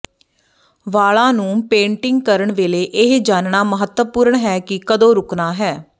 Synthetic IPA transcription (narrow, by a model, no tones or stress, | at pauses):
ʋaːɭãːnũːpẽːɳʈɪŋɡkəɾəɳʋeːleːʔɪɦd͡ʒaːnnaːməɦət̪ʋəpʊːɾəɳɦɛːkɪkəd̪õːɾʊknaːɦɛː